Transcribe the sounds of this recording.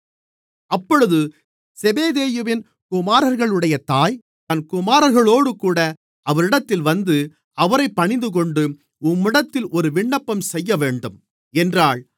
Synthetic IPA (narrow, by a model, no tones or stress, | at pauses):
ɐpːɔɻɯðɯ | sɛbeːðeːjɯʋɪn | kʊmaːɾɐɾɣɐɭɯɽɐjɐt̪aːj | t̪ɐnkʊmaːɾɐɾɣɐɭoːɽɯkuːɽɐ | ɐʋɐɾɪɽɐt̪ːɪlʋɐnd̪ɯ | ɐʋɐɾɐɪpːɐɳɪnd̪ɯk̬ɔɳɖɯ | ʊmːɪɽɐt̪ːɪlʔɔɾɯʋɪɳːɐpːɐmsɛjːɐʋeːɳɖɯm | ɛndraːɭ